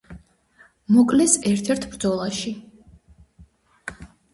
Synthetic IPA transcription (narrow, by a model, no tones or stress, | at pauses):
mɔkʼlɛsɛɾt̪ʰɛɾt̪ʰbɾd̪zɔlˠaʃi